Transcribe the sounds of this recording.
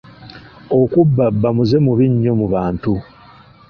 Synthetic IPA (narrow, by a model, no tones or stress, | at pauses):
o̞kubːabːamuze̞muβiɲːo̞muβaːntu